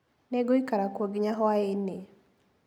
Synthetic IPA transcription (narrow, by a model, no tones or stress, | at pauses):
nɛɡoikaɾakwoɡiɲaɦɔaene